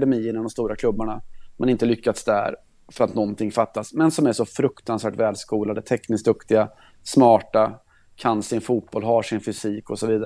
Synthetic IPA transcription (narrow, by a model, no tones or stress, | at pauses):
d̪ɛmiːɪnamd̪ɔmst̪uːɾakʰlɵbːaɳamʔanɪnt̪əlʏkːat̪sd̪æ̰ɾ | fœɾat̪nɔnt̪ʰɪŋːfat̪ːasmɛnsɔmæɾʂɔfɾɵkt̪ansvæːʈvɛːlskuːlad̪ət̪ʰɛknɪsk̚d̪ɵkt̪ɪɡa | smɑːʈa | kʰansɪnfuːt̪̚b̥ɔlɦaʂɪnfʏsiːkɔsɔviːd̪aɾ